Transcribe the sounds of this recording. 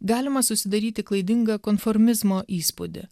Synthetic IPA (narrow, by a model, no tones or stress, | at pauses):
ɡɑːlʲɪmɐsʊsʲɪd̪ɐɾʲiːt̪ʲɪklˠɐɪd̪ʲɪŋɡɐkoːnfoɾʲmʲɪzmoːʔiːspʊd̪ʲɪ̰